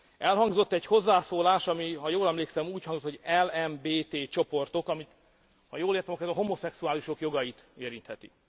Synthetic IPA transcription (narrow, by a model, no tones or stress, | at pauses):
ɛlɦɒŋɡzo̞t̪ːɛcho̞zːaːsoːlaːʃɒmiɦɒjoːlɛmleːksɛmuːchɒŋɡzot̪hoɟɛlɛmbeːt̪eːt͡ʃo̞po̞rt̪o̞kɒmit̪ | hɒjoːleːrt̪ɛmɒkːɛzɒɦo̞mo̞sɛksuaːliʃo̞kjo̞ɡɒjit̪eːɾint̪hɛt̪ḭ